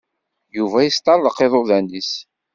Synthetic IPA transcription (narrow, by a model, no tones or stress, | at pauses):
juvæjəst̪ˤɑlːəqeðˤʊðænis